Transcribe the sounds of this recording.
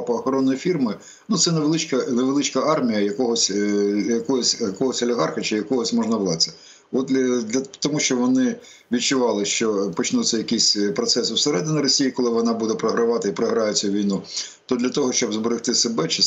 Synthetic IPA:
pɔɐxɐɾɔnːɔjifʲirmɪ | nut̪sɛneʋelˠɪt͡ʃkɐneʋelˠɪt͡ʃkɐɑrmʲijɐjɐkɔɦɔsʲjɐkɔɦɔsʲɐkɔɦɔsʲɔlʲɪɦɑrxɐt͡ʃɪjɐkɔɦɔsʲmɔʒnɐʋlˠɑt͡sʲsʲɐ̥ | ɔt̪ʲd̪lʲɐt̪ɔmuʃt͡ʃɔʋɔnɪ | ʋʲidt͡ʃʊʋɑlˠɪʃt͡ʃɔpɔt͡ʃnut̪sʲɛjɐkisʲpɾɔt̪sɛsʊwseɾɛd̪ɪnʲɪɐɾɔsʲijikɔlˠɪʋɔnɑbud̪ɛpɾɐɦɾɪʋɑt̪ɪipɾɐɦɾɑjɛt͡sʲːɐʋʲijnu | t̪ɔd̪lʲɐt̪ɔɦɔʃt͡ʃɔbzbɔɾɪxt̪ɪsebɛt͡ʃɪ

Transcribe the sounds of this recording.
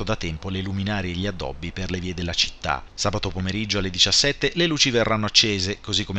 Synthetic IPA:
od̪at̪ːɛmpoleluminaːɾeʎːiad̪ːɔ̰bːiperleviːed̪elːat͡ʃi̥t̪ːa̰saːbat̪opomeɾid͡ʒːoalːed̪it͡ʃasːɛt̪ːeleluːt͡ʃiverːanːoat͡ʃːeːzekozikːome

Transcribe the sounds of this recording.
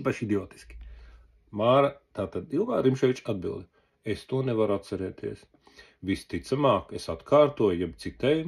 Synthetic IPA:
paʃid̪ʲioːt̪i̥skʲi̥ | maːɾat̪aːt̪ad̪ilˠɡa̰ːɾimʃɛjt͡ʃad̪̚bḭlˠd̪ | est̪uɔnɛvaɾat̪t̪sɛɾɛːt̪iɛəs | ʋist̪it̪samaːkesat̪kʰaːɾt̪uɔjjɛbt̪sit̪ɛj

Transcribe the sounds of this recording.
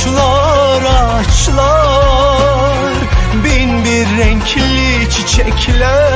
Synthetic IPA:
lˠaɾa | t͡ʃlˠa | ɾbinbiɾːɛɲcʰl | i | t͡ʃʰit͡ʃʰɛkʲʰlæ

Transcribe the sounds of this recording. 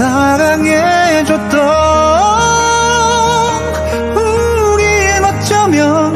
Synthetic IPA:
aɾaŋed͡ʑot̪͈ʌ | pu | ɾiemat͡ɕʰamjʌ

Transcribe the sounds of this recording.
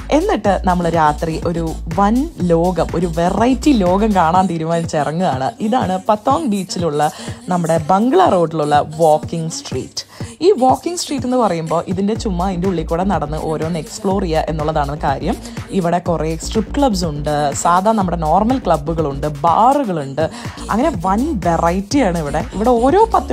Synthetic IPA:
e̞nːiʈːɨnɐmːɐɭɨɾaːt̪riʔo̞ɾuʋɐnlo̞ːɡɐmo̞ɾuʋerɐjtːilo̞ːɡɐmkaːɳaːnt̪iːɾumaːnit͡ɕːirɐŋːuaːɳɨ̰iða̰ːɳɨpɐt̪ːoːŋbiːt͡ɕːiluɭːɐnɐmːuɽe̞bɐŋɡɭɐro̞ːɖːiluɭːɐʋoːkːiŋɡsʈrḭːtːɨ̥iːʋo̞ːkːiŋɡsʈriːʈːe̞nːɨpɐrɐjumbo̞ːʔiðinde̞t͡ɕumːaːðindeuɭːikːuɽɐnɐɽɐnːɨ̰ʔo̞ːɾo̞ːnekspɭo̞ːrijɐʔe̞̰nːuɭːɐðaːɳɨkaːɾjɐm | iʋiɽe̞kuresʈripːkɭɐbs̬uɳɖɨsaːd̪ʱaːnɐmːuɽe̞no̞ːrmɐlkɭɐbːuɣɐɭuɳɖɨbaːruɣɐɭuɳɖɨ | ɐ̰ŋːɐne̞ʋɐnʋerʔɐjtːijaːɳɨiʋiɽe̞iʋiɽe̞o̞ːɾo̞ːpɐt̪ː

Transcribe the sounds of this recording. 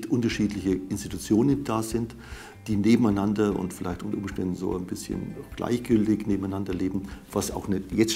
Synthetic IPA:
tʔʊntɐʃiːtlɪçəʔɪnstitut͡sjoːnənd̥aːzɪnt | d̥iːneːbm̩aɪnandɐʊ̰ntfɪlaɪçtʔʊntɐʔʊmʃtɛndn̩zo̰ːaɪnbɪsçə̰nɡ̥lʔa̰ɪçɡ̥ʏltɪçneːbm̩aɪnandɐleːbm̩v̥asa̰ʊxnɛjɛt͡s

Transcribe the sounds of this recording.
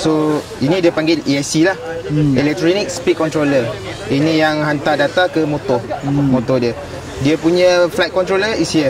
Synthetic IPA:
so | inĩdiəpaŋɡeliɛsilahɛlɛk̚t̪ɾonik̚spikɔnt̪ɾolə | inĩjaŋɦant̪adat̪akəmot̪ɔmõt̪ɔdiə | diəpuɲə̃flajt̪̚kɔnt̪ɾoləisiə

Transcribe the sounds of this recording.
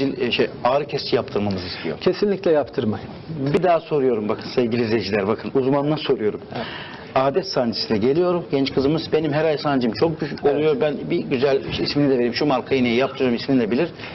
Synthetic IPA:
ilʲʃejaːɾɯcʰɛst͡ʃʰijap̚t̪ʰɯɾmamɯzist̪ijo̰cʰesinlʲicʲlʲɛjapt̪ʰɯɾma̰jɯmbid̪aːso̞ɾujo̞ɾumbakʰɯnsevɟilʲizevd͡ʒilʲæɾbakʰɯnuzmanɯnˠaso̞ɾujo̞ɾum | aːd̪ɛt̪sand͡ʒi̥silʲɛɟe̞lʲijo̞ɾumɟɛnt͡ʃkʰɯzɯmɯzbe̞nimɦæɾajsaːnd͡ʒiimt͡ʃʰo̞k̚ɟyʃyo̞lˠujo̞ɾbænbiɟyzælʲisminid̪ɛve̞ɾimʃumaɾkʰajinejijap̚t̪ʰɯjoɾumisminid̪ɛbilʲiɾ̥

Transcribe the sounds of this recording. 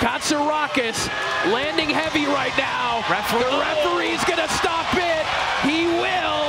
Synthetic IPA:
kʰɑtsəɹɑkɨs | læ̃ndɪ̃ŋɦɛviɹaɪtⁿnaʊɛfðəɹɛfə˞izɡʌnɨstɑpɪt̚ | hiwɪlˠ

